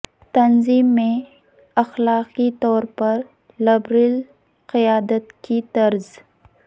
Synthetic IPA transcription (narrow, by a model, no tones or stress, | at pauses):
t̪ɐnziːmːẽ | ɐxlaːqit̪ɔːɾpɐɾ | lɐbɾil | qɪjaːd̪ət̪kit̪ɐɾz